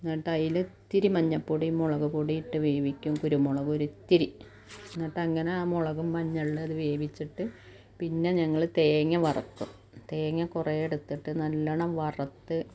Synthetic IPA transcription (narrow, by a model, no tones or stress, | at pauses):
nːɐːʈːɐjilɨt̪ːiɾimɐɲːɐpːuɽimoɭɐɣupuɽijiʈːɨʋe̞ːbʱikʲːumkuɾumoɭɐɣuoɾut̪ːiɾi | nːɐːʈːɐŋːɐneaːmoɭɐɣumːɐɲːɐɭːɨɐðɨʋeːbit͡ɕːiʈːɨ | pinːe̞ɲɐŋːɐɭt̪e̞ːŋːɐʋɐrɐkːum | t̪eːŋːɐkurejeɽut̪ːiʈːɨnɐlːɐɳɐmʋɐrɐt̪ːɨ